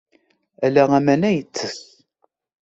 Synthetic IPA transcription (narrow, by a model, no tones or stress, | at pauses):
ælæʁæmænæjət͡sːəθ